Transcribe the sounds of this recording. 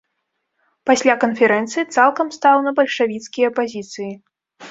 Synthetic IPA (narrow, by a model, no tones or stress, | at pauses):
pasʲlʲakɐnfʲɛɾɛnt̪sɨit̪salˠkɐmst̪awnɐbɐlʲʂavʲit̪skʲijɐpazʲit̪sɨji